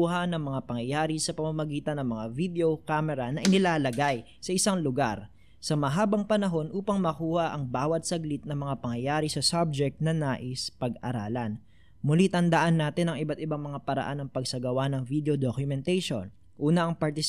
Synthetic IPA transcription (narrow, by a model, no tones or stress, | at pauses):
uhɐnɐŋmɐŋapɐŋjɐjaːɾisɐpɐmamɐɡiːt̪ɐnːɐŋmɐŋavid̪ɛo̞kaːmɛɾɐnɐʔɪnɪlaːlɐɡaj | sɐʔɪsaŋlʊɡa̰ɾ | sɐmɐɦaːbɐŋpɐnɐɦo̞nʔuːpɐŋmɐkuːhɐʔɐŋbaːwɐt̪̚sɐɡlit̪̚nɐŋmɐŋapɐŋjɐjaːɾisɐsab̚d͡ʒɛk̚t̪̚nɐnaːʔɪspɐɡɐ̰ɾa̰ːlɐn | mʊlit̪ɐnd̪ɐʔanːaːt̪ɪnɐŋɪbat̪ɪbaŋmɐŋapɐɾɐ̰ʔanːɐŋpɐɡsɐɡɐwanɐŋvid̪eod̪okjʊmɛnt̪ɛjʃo̞̰n | ʔuːnɐʔɐŋpɐɾt̪ɪs